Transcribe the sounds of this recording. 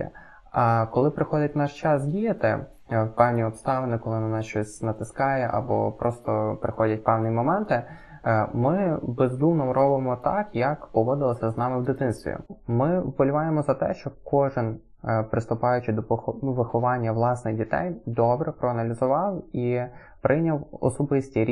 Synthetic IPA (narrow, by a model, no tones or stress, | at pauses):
ɑkɔlˠɪpɾɪxɔdʲɐt̚ʲnɑʃt͡ʃɑsdʲijɐt̪ɪ | wpɛwnʲiɔpst̪ɑʋɪnɪkɔlˠɪnɐnɑst͡ʃɔsʲnɐt̪ɪskɑjɛʔɐ̰bɔ̰pɾɔst̪ɔpɾɪxɔdʲɐt̚ʲpɛwnʲimɔmɛnt̪ɪ | mɪbezd̪umnɔmɾʔɔbɪmɔt̪ɑkjɐkpɔʋɔd̪ɪlˠɔsʲɐznɑmɪwd̪ɪt̪ɪnst̪ʋʲḭmɪbɔlʲʊʋɑjemɔzɐt̪ɛ̰ʃt͡ʃɔkɔʐɪn | pɾɪst̪ʊpɑjʊt͡ʃɪd̪ɔʋɪxɔʋɑnʲːɐʋlˠɑsnɪxdʲit̪ɛ̰jd̪ɔbɾɛpɾɔɐnɐlʲizʊʋɑwi | pɾʔɪnʲɐwɔ̰sɔbɪsʲtʲiɾʲ